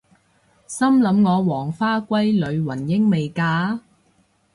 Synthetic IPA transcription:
sɐ˥mlɐ˨˧mŋɔː˨˧wɔː˨˩ŋfaː˥kʷɐ˥jlɵ˨˧ɥwɐ˨˩njɪ˥ŋme˨jkaː˧

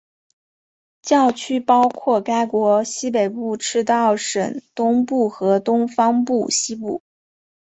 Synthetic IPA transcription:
t͡ɕjɑ˥˩ʊt͡ɕʰy˥pɑ˥ʊkʰwɔ˥˩ka˥ɪkwɔ˧˥ɕi˥p̬e˨˩ɪpu˥˩ʈ͡ʂʰɻ̩˥˧t̪ɑ˥˩ʊʂə˨˩nt̪ʊ˥ŋpu˥˩xɤ˧˥t̪ʊ˥ŋfɑ˥ŋpu˥˩ɕi˥pṵ˥˩

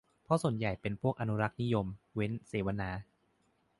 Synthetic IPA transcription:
pʰɔ˦˥su˨˩ənja˨˩jpe˧npʰu˥˩ək̚ʔa˧nu˦˥ɾa˦˥k̚ni˦˥jo˧mwe˦˥nseː˩˦wa˧naː˩˦˥

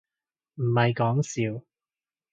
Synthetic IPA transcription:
m̩˨˩mɐ˨jkɔː˨˥ŋsiː˨˧w

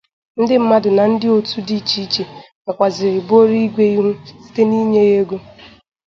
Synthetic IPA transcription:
n̩˦dɪ˦m̩˦ma˦dʊ˨na˨n̩˦dɪ˦o˨tu˦di˦t͡ʃi˦t͡ʃe˨ | ka˨kʷa˨zɪ˨ɾɪ˨bo˦ɾi˦ɡʷe˦i˦ɦu˦si̥˦te˦ni˦ɲe˦je˦ɡo˦

